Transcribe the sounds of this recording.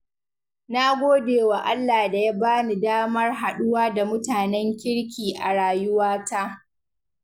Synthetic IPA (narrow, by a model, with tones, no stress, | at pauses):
na˦ɡʷoː˦deː˨wa˨ʔa˦lːaː˨da˨ja˦baː˦ni˨daː˦mɐ˦rɦa˨ɗʊ˦waː˦da˨mʊ˦taː˨nɛ˦ŋkʲɪ˦ɽkʲiː˨ʔa˨ɽaː˨jʊ˦waː˦ta˦ʔ